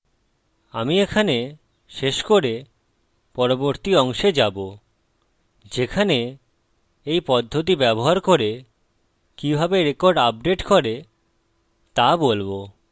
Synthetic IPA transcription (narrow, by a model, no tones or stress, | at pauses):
amiekʰane | ʃeʃkoɾe | pɔɾoboɾt̪iɔŋʃed͡ʑabo | d͡ʑekʰane | ejpɔd̪ʱːot̪̬ibɛboɦaɾkoɾe | kibʱabeɾekoɾɖap̚ɖeʈkoɾe | t̪abolbo